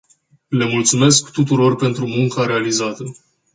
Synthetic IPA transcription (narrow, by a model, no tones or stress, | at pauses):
le̞mult̪sume̞skt̪ut̪uɾo̞rpe̞nt̪ɾumuŋkaɾe̞alizat̪ə